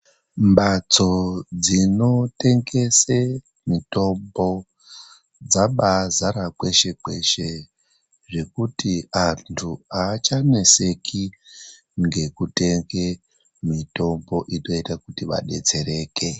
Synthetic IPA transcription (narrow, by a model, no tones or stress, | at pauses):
mbat͡so̞d͡zino̞te̞ŋɡe̞se | mito̞mbo̞ | d͡zaɓazaɾakwe̞ʃe̞kwe̞ʃe̞ | ʐe̞kutiantʰuaːt͡ʃane̞se̞kʰi | ŋɡe̞kute̞ŋɡe | mito̞mbo̞ʔino̞itakutiʋa̰ɗe̞t͡se̞ɾe̞ːke̞